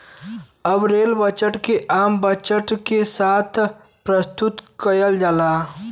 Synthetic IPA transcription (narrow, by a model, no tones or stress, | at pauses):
əbɾeːlbət͡ʃəʈkeʔaːmbət͡ʃəʈkesaːt̪ʰ | pɾəst̪ut̪kəjəld͡ʒalaː